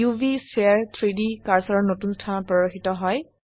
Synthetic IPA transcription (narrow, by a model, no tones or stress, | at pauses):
ubisaɹt̪ʰɹidikaɹsaɹɔnotunstʰanɔpɹɔɹoxitɔɦɔj